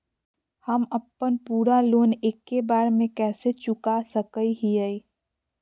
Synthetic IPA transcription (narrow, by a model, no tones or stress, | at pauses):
həməpːənpuːɾaloːneːkːebaːɾmẽkɛːset͡ʃʊkasəkəiɦiəi